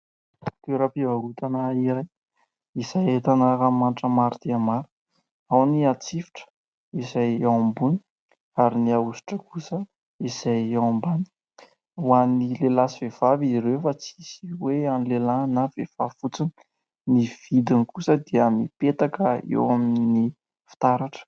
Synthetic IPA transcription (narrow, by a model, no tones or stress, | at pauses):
t̪eɾapiaɾut̪anaiɾaj | iz̥ajet̪anaɾamanʈ͡ʂəmaɾt̪eamaɾu̥ | awniat͡sifi̥ʈ͡ʂə̥ | izajawambuni̥ | aɾiniausi̥ʈ͡ʂəkusə | iz̥ajawambani̥ | uanilelasivev̥aviɾewfat͡sisiweanilelanavefafut͡sini̥ | niv̥id̪inikusəd̪iəmipet̪akəḛwamini | fi̥t̪aɾaʈ͡ʂə̥